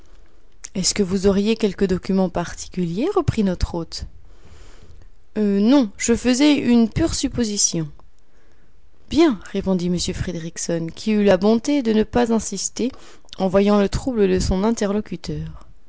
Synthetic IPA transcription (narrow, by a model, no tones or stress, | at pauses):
ɛskəvuzɔʁjekʲɛlkəd̪ɔkʲymɑ̃paʁt̪ʰi̥kʲyljeʁəpχinɔt̪χot̪ | ønɔ̃ʒəfəzɛynpyʁsypozisjɔ̃ | bjɛ̃ʁepɔ̃d̪iməsjøfχed̪eʁiksɔnkʲʰiylabɔ̃t̪ed̪ənəpazɛ̃sist̪e | ɑ̃vwajɑ̃lət̪χubləd̪əsɔ̃nɛ̃t̪ɛʁlɔkʲyt̪œːʁ